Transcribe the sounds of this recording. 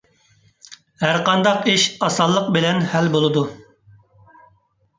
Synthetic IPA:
hæɾqɑnd̪ɑqiʃɑsɑlˠːəqbɪlɛnhælbolˠɨd̪u

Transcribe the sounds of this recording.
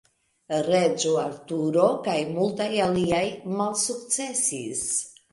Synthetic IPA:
ɾe̞d͡ʒoaɾtuɾo̞kajmultajaliajmalsukt͡se̞sḭs

